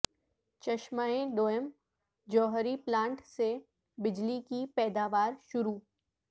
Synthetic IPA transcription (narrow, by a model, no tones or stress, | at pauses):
t͡ʃɐʃmaːẽɖoːəm | d͡ʒɔːɦɾiplãːɳʈse | bɪd͡ʒlikipɛːd̪aːʋaːɾʃʊɾuː